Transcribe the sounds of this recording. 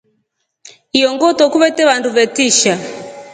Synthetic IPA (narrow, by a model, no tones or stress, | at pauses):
ijɔŋɡɔtɔkuβɛtɛβanduβɛtiʃa